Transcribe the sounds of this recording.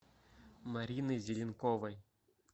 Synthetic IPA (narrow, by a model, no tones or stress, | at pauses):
maɾʲinɨzʲɪlʲɪnkovɐj